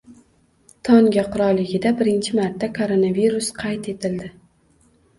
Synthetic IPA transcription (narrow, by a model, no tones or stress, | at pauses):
t̪ʰɒŋɡʲaqʊɾɒlːɪɡʲɪd̪abɪɾɪnt͡ʃʰɪmaɾt̪ːakʰoɾonaviɾʊsqʰɑjt̪e̞t̪ʰɪld̪ɪ